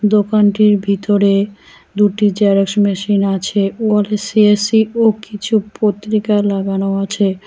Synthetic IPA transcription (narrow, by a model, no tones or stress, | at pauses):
d̪okanʈiɾbʱit̪oɾe | d̪uʈid͡ʑɛɾeksmɛʃinat͡ɕʰeoalesiesiokit͡ɕʰupot̪ːɾikalaɡanoat͡ɕʰe